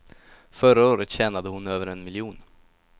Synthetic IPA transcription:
fœɾaoːɾət̪ɕɛːnad̪əhʊnøːvəɾɛnmɪljuːn

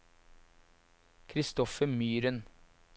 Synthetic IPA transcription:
kʰɾɪst̪ɔfəmyːɾən

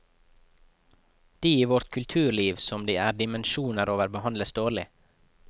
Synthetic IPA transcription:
d̪̥iːiːʋɔɾt̪kʰʉlt̪ʰʉːɾliːʋsɔmd̪iːæːɖɪmənʃuːnəɾʔoːʋəɾbəhɑnd̪ləsd̪oːɭɪ

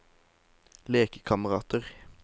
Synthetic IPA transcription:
leːkə̥kʰɑməʁɑːt̪əʁ

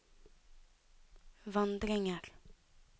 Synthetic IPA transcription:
ʋɑnd̪ɾɪŋəɾ

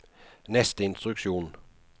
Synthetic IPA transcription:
nɛst̪əɪnst̪ɾʉkʃuːn

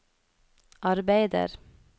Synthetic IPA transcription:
ʔɑɾbæɪd̪ə̰ɾ

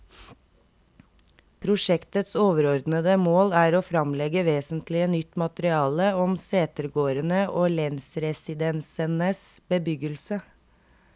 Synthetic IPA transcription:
pʰɾʊʂɛkt̪ət̪soːʋəɾɔɾd̪nəd̪əmoːlæːɾoːfɾɑmlɛɡəʋeːsənt̪lɪənʏt̪ːmɑt̪əɾɪɑːləɔmseːt̪əɾɡoːɾənəʔoːlɛnsɾɛsɪd̪ɛnsənəsbəbʏɡəlsə

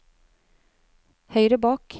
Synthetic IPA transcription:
hœʏɾəbɑːk

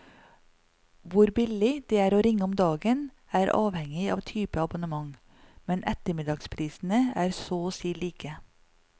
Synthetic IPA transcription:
ʋʊɾbɪlɪd̪̥eːæːɾoːɾɪŋːəɔmd̪ɑːɡən | æːɾɑ̰ːʋhɛŋɪɑ̰ːʋt̪ʰyːpəɑbʊnəmɑŋ | mɛnʔɛt̪əmɪd̪ɑːɡspʰɾiːsn̩əæːɾsoːosiːliːkə

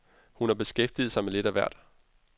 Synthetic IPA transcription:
hunhɑ̈b̥e̝sɡ̥efd̥ið̞̩ˠsɑ̈ɪmele̝ɾ̥æʋæɐd̥

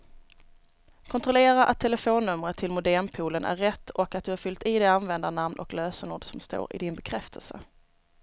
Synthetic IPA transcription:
kʰɔnt̪ɾɔleːɾaʔat̪ʰːɛləfoːnːɵmɾət̪ʰːɪlmʊd̪æmpʰuːlənʔæ̰ɾːɛt̪ːɔkat̪̚d̪ɵhæɾfʏlt̪ɪd̪ɛanvɛnd̪anamnʔɔ̰kløːsənuːɖsɔmst̪o̰ːɾɪ̰d̪ɪnbɛkʰɾɛft̪ʰəlsə̰

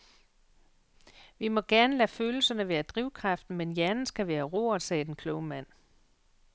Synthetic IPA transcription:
ʋimɒ̽ɡ̥æɐnəlæføːl̩sɐnəʋeːɐd̥ʁiʊ̰kʰʁɑ̈fd̥n̩menjæɐnn̩sɡ̥æʋæːɐʁo̝ːɒsɛ̰ːd̥enkʰlɔʊəmæn̰

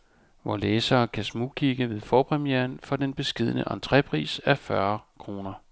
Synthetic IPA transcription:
ʋɒleːsɐːkʰæsmukʰiɡ̥əʋe̝ð̞ˠfɒːpʰʁɛmijeːɐnfɒ̽d̥enb̥e̝sɡ̥e̝ð̞̰ˠənə̰ʔɑnt͡sʰʁɛpʰʁḭːsæfɶɐkʰʁo̝ːnɐ

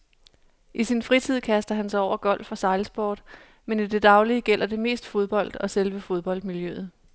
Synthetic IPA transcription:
ʔisinfʁit͡sʰið̰ˠkʰæsd̥ɐɦænsɑ̈ɪɒʊ̰ɐɡ̥ɒ̽l̰̥fɒ̈sɑ̈ɪlsb̥o̰ːd̥ | menid̥e̝d̥ɑ̈ʊliəɡ̥el̰ʔɐd̥e̝me̝̰ːsd̥fo̝ð̞ˠb̥ɒ̽l̰d̥ɒ̽selʋəfo̝ð̞ˠb̥ɒ̽l̰d̥miljøð̞̩ˠ

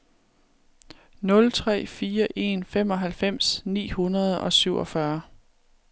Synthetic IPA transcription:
nɔ̽lt͡sʰʁɛ̰ːfiːɐʔe̝nfem̰ɒ̽ɦælfem̰snḭːhunɐð̞ˠɒ̽syʊɒ̽fɶɐ

